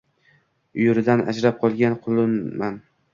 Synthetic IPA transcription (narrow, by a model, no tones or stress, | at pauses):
ʊjʊɾɪd̪ana̰d͡ʒɾap̚qʰɒlˠɡʲanqʰʊlˠɪnman